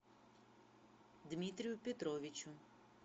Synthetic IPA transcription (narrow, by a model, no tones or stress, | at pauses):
d̪mʲit̪ɾʲijʊpʲɛt̪ɾɔʋʲit͡ʃʊ